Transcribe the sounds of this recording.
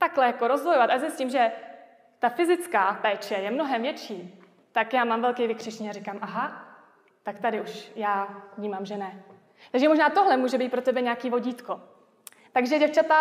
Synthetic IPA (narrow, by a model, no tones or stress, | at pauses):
t̪aklɛjako̞ɾo̞zvojovat̪azɪscɪmʒɛ | t̪afɪzɪt͡skaːpɛːt͡ʃɛjɛmno̞ɦɛmvjɛt͡ʃiː | t̪akjaːmaːmvɛlkɛjvɪkr̥ɪʃɲiarikamʔaɦa | t̪akt̪adɪuʃjaːvɲiːmamʒɛnɛ | t̪aɡʒɛmo̞ʒnaːt̪oɦlɛmuːʒɛbiːt̪̚pɾot̪ɛbɛɲɛakiːvo̞ɟiːt̪ko̞ | t̪aɡʒɛɟɛft͡ʃat̪a